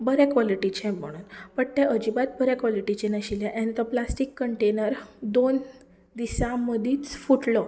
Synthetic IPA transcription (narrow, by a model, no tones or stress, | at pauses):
bəɾɛkʋɔliʈit͡ɕẽm̤əɽ̃uːnpəɳt̪eʔəd͡ʑibat̪̚bəɾjẽkʋɔliʈit͡ɕenəɕiljãʔɛ̃nt̪əplasʈikːəɳʈenəɾd̪on | d̪isãməd̪ʱiːt͡sfuʈlə